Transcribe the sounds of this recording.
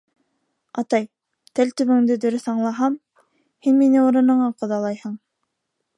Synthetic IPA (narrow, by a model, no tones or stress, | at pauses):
ɑt̪ɑj | t̪ælt̪ɵ̆βɘ̆ŋd̪ɘd̪ɵ̆ɾɵθɑɴlˠɑɦɑm | hinminɘuɾɤ̆nɤ̆ɴɑqŏðɑlˠɑjhɤɴ